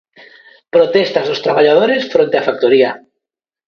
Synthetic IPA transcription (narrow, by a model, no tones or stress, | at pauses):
pɾot̪est̪azðost̪ɾaβaʎaðoɾesfɾont̪eafak̚t̪oɾia